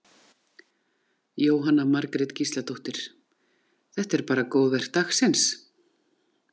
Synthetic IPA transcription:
joːwɦanamaɾkɾɛt̪cist̪lat̪ʰoht̪ɪɾ̥ | θɛht̪ɛɾpaːɾakoːwðvɛr̥t̪axsɛns

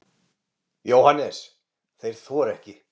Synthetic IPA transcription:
joːwhanːɛs | θejɾ̥θvɔːɾɛhcɪ

